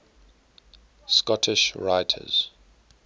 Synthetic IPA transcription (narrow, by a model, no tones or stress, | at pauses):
skɔtʰɪʃɹaɪtʰə̰z̥